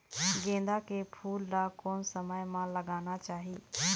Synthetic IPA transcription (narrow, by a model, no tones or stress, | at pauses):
ɡẽːnd̪akepʰuːlːaːkoːnsəməjmãːləɡaːñat͡ʃaːɦiː